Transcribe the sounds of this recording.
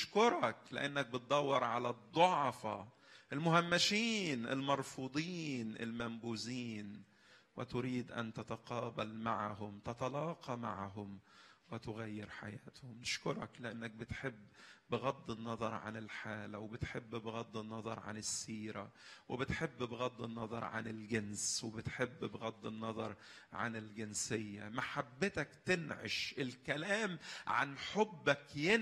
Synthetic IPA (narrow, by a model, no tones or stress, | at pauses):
ʃkʊɾˤɑklɪ̰ʔanːak̚bɪt̪̚d̪ˤɑwːɑɾˤʕalad̪ˤːʊʕfa | ʔɪlmʊhamːaʃiːnʔɪ̰lmɑɾˤfuːd̪ˤiːnʔɪ̰lmambuːziːn | wɪt̪ʊɾiːd̪ʔa̰nt̪at̪aqɑːbalmaʕɦʊmt̪at̪ɑlɑːqɑma̰ʕɦʊmwɪt̪ʊɣajːɪɾħa̰jaːt̪hʊmnɪʃkʊɾˤɑ̰klɪʔanːak̚bɪt̪ħɪbːbɪɣɑd̪ˤːɨnːɑðˤɑɾˤʕa̰nɪlħaːlæwɪbɪt̪ħebːbɪɣɑd̪ˤːɪnːɑðˤɑ̰ɾˤʕa̰nɪsːiːɾæwɪbɪt̪ħebːbeɣɑd̪ˤːɪnːɑðˤɑ̰ɾˤʕa̰nɪlɡenswebɪt̪ħebːbɣɑd̪ˤːɨnːɑðˤɑɾˤ | ʕa̰nɪlɡɪnsejːæmaħabːɪt̪ækt̪ɪnʕḛʃʔɪlkælæːmʕa̰nħobːækjɪ